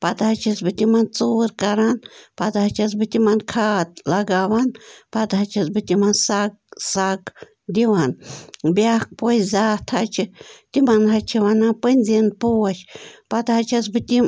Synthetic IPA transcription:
pat̪ahat͡ʃasbɨt̪ʲimant͡suɾkaɾanpat̪at͡ʃas̬bɨt̪ʲimankʰat̪laɡawanpat̪hat͡ʃʰasbɨt̪ʲimansaksak | d̪ʲiwanbjak̚pozat̪ʰat͡ʃɨt̪ʲimanɾat͡ʃʰiwanapɨnʲzinpuaʃpat̪hat͡ʃʰasbɨt̪ʲi

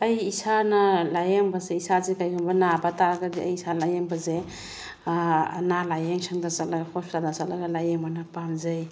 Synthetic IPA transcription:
ɐjisanɐlajeŋbazeisazekajkʰɔmbanabataɾaɡadiajisalajeŋbaze | nalajeŋsʰaŋdasalaɡakʰɔstanasalaɡalajeŋmanapamzaj

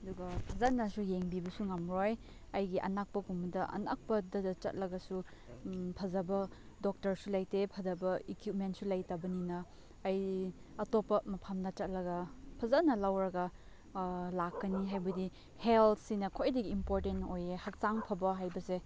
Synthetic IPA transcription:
ɐduɡɐpʰɐzɐnɐsujeŋbibɐsuŋɐmɾoj | ɐjɡiʔɐ̰nak̚pɐɡumɐdɐʔɐ̰na̰k̚pɐdɐdt͡ʃɐ̰t̚lɐɡɐsu | pʰɐzɐbɐ | dok̚tɐɾsulajtepʰɐzɐbɐekjup̚mentsulajtɐbɐninɐː | j | ɐtopːɐmɐpʰamnɐt͡ʃɐt̚lɐɡɐpʰɐzanɐlawɾɐɡɐ | lakːɐniɦajbɐdi | heltʰsinɐkʰojdɐɡiːmpoɾtentojehɐk̚taŋpʰɐbɐɦajbɐse

